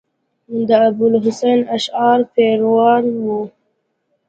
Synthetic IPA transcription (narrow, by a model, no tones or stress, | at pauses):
d̪əab̪̚ʊlɦʊsejnaʃɑɾpeɾwɑɾwu